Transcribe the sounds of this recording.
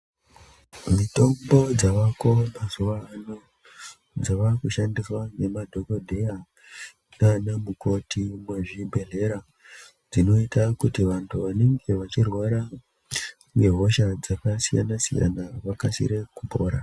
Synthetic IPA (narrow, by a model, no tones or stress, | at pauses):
mito̞mbo̞d͡zaʋako̞mazuʋaːno | d͡zaʋakuʃandiswane̞madʱo̞kodʱe̞ja | nanamuko̞timweʐibʱe̞ɮe̞ɾa | d͡zino̞itakutiʋantʰuʋane̞ŋɡe̞ʋat͡ʃirwaɾa | neɦo̞ʃad͡zakasija̰nasḭja̰naʋakasḭɾekupo̰ːɾa